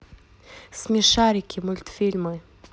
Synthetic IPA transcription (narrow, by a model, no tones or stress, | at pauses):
smʲiʂaɾʲɪkʲɪmʊlʲt̪fʲilʲmɨ